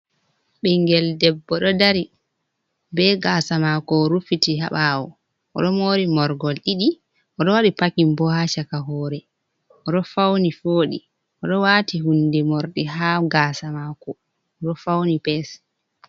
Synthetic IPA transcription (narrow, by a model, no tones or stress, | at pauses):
ɓiŋɡɛldɛbːɔɗɔdaɾi | bɛɡasamakɔɾufitiɦa̰ɓawɔ | ʔɔ̰ɗɔmoːɾimɔɾɡɔlɗiɗi | ʔɔɗɔwaɗipakimbɔhaʃakaɦɔːɾɛ | ɔɗɔfawnifoːɗḭ | ʔɔɗɔwaːtihundɛmɔɾɗiɦaɡaːsamaːkɔ | ɔɗɔfawnipɛs